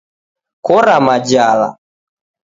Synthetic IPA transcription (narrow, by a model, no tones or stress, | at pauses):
kɔɾamad͡ʒala̰